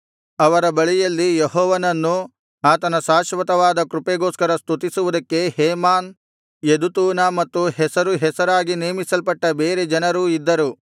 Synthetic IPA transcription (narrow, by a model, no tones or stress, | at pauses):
ɐʋɐɾɐbɐɭijɐlːijeɦɔːʋɐnɐnːu | aːt̪ɐnɐʃaːʃʋɐt̪ɐʋaːd̪ɐkɾupeɡoːskɐɾɐst̪ut̪isuʋud̪ɐkːe̞heːmaːn | jed̪ut̪uːnamɐt̪ːuhɛsɐɾuɦɛsɐɾaːɡineːmisɐlpɐʈːɐbe̞ːɾe̞d͡ʒɐnɐɾuːid̪ːɐɾu